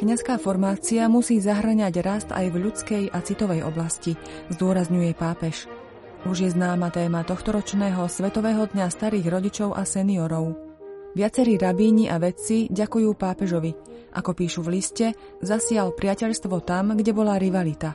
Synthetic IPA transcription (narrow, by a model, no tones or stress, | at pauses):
kɲaskaːfɔɾmaːt͡siamusiːzaɦr̩ɲaɟɾast̪a̰jvʎut͡skɛjat͡sit̪ɔʋɛjɔ̰blasci | zd̪ʊɔɾazɲujɛpaːpɛʃ | ʔuʒjɛznaːmat̪ɛːmat̪ɔxt̪ɔɾɔt͡ʃnɛːɦɔsʋɛt̪ɔʋɛːɦɔd̪ɲast̪aɾiːɣɾɔɟit͡ʃɔʊʔasɛniɔɾɔʊ | ʋɪat͡sɛɾiːɾabiːɲiʔaʋɛt͡siɟakujuːpaːpɛʒɔʋi | ʔa̰kɔpiːʃuʋliscɛ | zasɪalpɾɪacɛʎst̪ʋɔt̪amɡɟɛbɔlaɾiʋalit̪a